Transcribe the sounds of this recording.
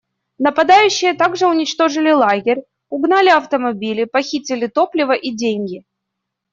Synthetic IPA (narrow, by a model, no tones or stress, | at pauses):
nəpɐd̪ajʉɕːɪjət̪aɡʐɨʊnʲɪt͡ɕt̪o̞ʐɨlʲɪlˠaɡʲɪɾʲ | ʊɡnalʲɪɐft̪əmɐbʲilʲɪpɐxʲitʲɪlʲɪt̪o̞plʲɪvəʔidʲenʲɡʲɪ